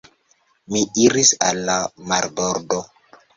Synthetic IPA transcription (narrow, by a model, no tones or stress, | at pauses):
miiɾisa̰lːamaɾboɾdo